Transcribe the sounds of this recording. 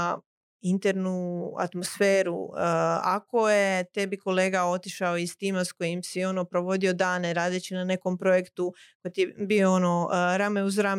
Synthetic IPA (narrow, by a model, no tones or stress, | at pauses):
int̪eɾnua̰t̪mo̞sfeːɾṵ | a̰ko̞je̞t̪e̞biko̞le̞ːɡao̞t̪iʃaoist̪iːmasko̞jimsio̞no̞pɾo̞ʋo̞d̪io̞d̪aːneɾaːd̪et͡ɕinane̞ko̞mpɾo̞je̞kt̪uko̞jet̪ibioono̞ɾameuzɾa